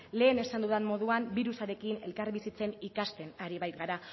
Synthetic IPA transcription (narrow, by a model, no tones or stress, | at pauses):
le̞ːne̞sand̪uðemmo̞ð̞uambiɾusaɾe̞kine̞̰lkarβisit͡se̞nikast̪e̞naɾiβajt̪ɣaɾa